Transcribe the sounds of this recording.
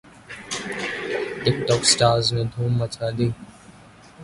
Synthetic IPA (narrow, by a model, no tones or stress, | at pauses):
ʈɪk̚ʈɔːksʈaːɾzmẽd̪ʱuːmːət͡ʃʰaːd̪iː